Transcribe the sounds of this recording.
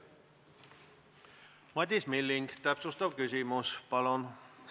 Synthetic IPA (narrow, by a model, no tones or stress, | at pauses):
mɑt̪ʲismilːiŋɡt̪æpsust̪ɑvkysimuspɑlon